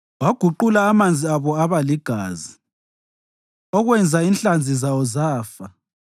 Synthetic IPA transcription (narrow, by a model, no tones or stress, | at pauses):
waɡ̥ʱuǃulaːmand͡zʱiaβɔaβaliɡ̥ʱaːzi | ɔɣwɛnd͡zʱainɬand͡zʱizawɔzaːfa